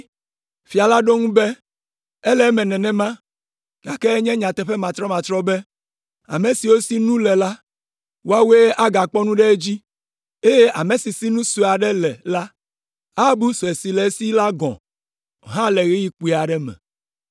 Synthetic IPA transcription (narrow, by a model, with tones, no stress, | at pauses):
fi˨a˨la˦ɖo˦ŋũ˦bɛ˦ | e˦lɛ˨˦mɛ̃˨nɛ̃˨nɛ̃˦mã˦ | ɡ̥a˨kɛ˦ɲɛ̃˦ɲã˨t̪ɛ˦ɸɛ˦mã˨t̪ɾɔ˦mã˨t̪ɾɔ˦bɛ˦ | a̰˨me˨si˨wo˦si˦nũ˦lɛ˨la˦ | wo˦a˦we˦ʔa˦ɡa˨k͡pɔ˦nũ˦ɖɛ˦d͡ʑi˦ | e˦je˦ʔa˨me˨si˨si˦nũ˦su˨a˨ɖɛ˦lɛ˨la˦ | a˦bu˦sɔ˨e˨si˨lɛ˨˦si˦la˦ɡɔ̰̃˨ | ɦã˦lɛ˨ɣi˦ji˦k͡pu˨i˨a˨ɖɛ˦mɛ̰̃˨